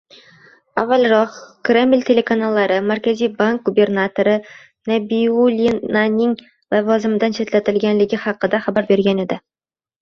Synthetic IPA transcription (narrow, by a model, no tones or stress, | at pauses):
avːalˠɾɒqkɾʲe̞mlʲt̪ʲʰe̞lʲe̞kanalˠːɑɾəmæɾkʲæzijbaŋk̚ɡubʲe̞rnat̪oɾə | nabiulʲinanɪŋ | lˠɑvɑzɪmɪd̪anʃet̪læt̪ɪlɡʲænlɪɡʲɪχɑqɨd̪ɑχabaɾbe̞ɾɡʲæned̪ɪ